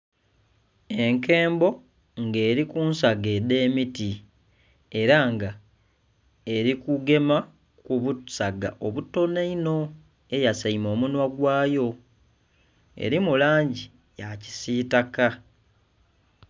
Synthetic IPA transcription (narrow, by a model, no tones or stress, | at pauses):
e̞ŋke̞ːmbo̞ | ŋɡe̞ːɾikuːnsaɡe̞de̞ːmiti | e̞ɾaŋɡa | e̞ɾikuɡe̞ma | kuβusaɡa̰ʔo̞βutːo̞neino̞ | e̞jasaimo̞ːmunwaɡwaːjo̞ | ḛɾimulaːɲɟi | jaci̥siːtaka